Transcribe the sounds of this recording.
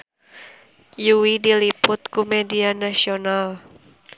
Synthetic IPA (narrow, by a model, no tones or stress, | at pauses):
juwidilipʊt̪̚kumedianasional